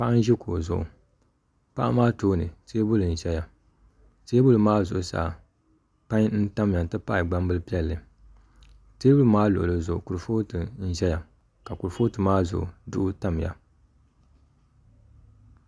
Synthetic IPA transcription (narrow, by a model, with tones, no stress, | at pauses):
pa˦ʔa˦n˦ʒi˦ku˨zʊ̰˨ʔṵ˨ | pa̰˦ʔa˦maː˦toː˦nɨ˨seː˦bʊ˦lɨ˨n̩˨ʒɛ˦ja˨ | teː˦bʊ˦lɨ˨maː˦zʊ˨ʔʊ˨sa̰ː˨ | pa˦ɲn̩˦ta˦m˨ja˨n˨tɨ˦pa˦ɪ˨ɡ͡ba˦mbɨ˦lpi˦ɛ˦lːɨ˨ | teː˦bʊ˦lɨ˨maː˦lʊ˨ʔʊ˨lɨ˨zʊ˨ʔʊ˨ku˨ɾfo˦tɨ˨n̩˦˨ʒɛ˦ja˨ | ka˨ku˨ɾfoː˦tɨ˨maː˦zʊ̰˨ʔʊ˨dʊ˦ʔʊ˦ta˦m˨ja̰˨